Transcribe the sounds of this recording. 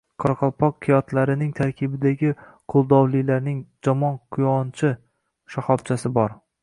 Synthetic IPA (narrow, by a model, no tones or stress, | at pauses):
qʰɒɾqʰɒlˠpʰɒqkʰɪjɒt̪ʰlaɾɪnɪŋt̪ʰaɾkʲʰɪbɪd̪aɡʲɪ | qʰʊlˠd̪ɒwlˠɪlaɾnɪŋd͡ʒɒmɒnqʰʊjɒnt͡ʃʰɪ | ʃahɒbt͡ʃʰasɪbɒɾ